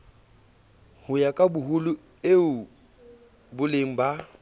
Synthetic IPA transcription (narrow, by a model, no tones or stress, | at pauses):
hʊjakʼabʊɦʊlʊ | eʊ | bʊleŋ̩ba